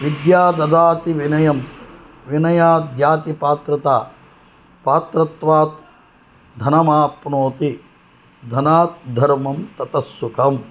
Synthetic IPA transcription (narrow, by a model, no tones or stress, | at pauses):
ʋid̪jaːd̪ɐd̪aːt̪iʋinɐjɐm | ʋinɐjaːd̪jaːt̪ipaːt̪ɾɐt̪aː | paːt̪ɾɐt̪ʋaːt̪ | d̪ʱɐnɐmaːpnoːt̪i | d̪ʱɐnaːt̪̚d̪ʱɐɾmɐmt̪ɐt̪ɐsːukʰɐm